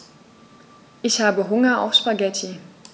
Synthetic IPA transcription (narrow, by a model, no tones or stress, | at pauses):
ʔɪçhaːbəɦʊŋɐʔa̰ʊfʃpaɡɛtʰi